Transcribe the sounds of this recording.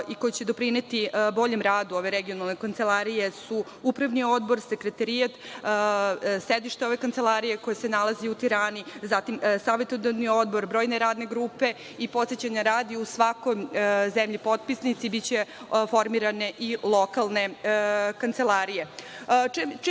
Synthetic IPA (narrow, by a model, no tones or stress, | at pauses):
iko̞jet͡ɕed̪o̞pɾine̞t̪ibo̞ʎemɾaːd̪uo̞ʋe̞ɾeɡijonalˠnekant̪selˠaɾije̞su | upɾaʋnio̞d̪bo̞ɾse̞kɾet̪aɾijat̪ | sed̪iʃt̪eo̞ʋe̞kant̪se̞lˠaɾijeko̞jesenalˠaziut̪iɾaːnizat̪imsaːʋet̪od̪anio̞d̪̚bo̞ɾbɾo̞ːjneɾaːd̪ne̞ɡɾuːpe̞ | ipo̞t̪set͡ɕaɲaɾaːd̪iusʋakojzemʎipo̞t̪̚pisnit̪sibitt͡ɕe | fo̞ɾmiɾane̞ʔilˠo̞kalˠne̞kant̪se̞lˠaɾije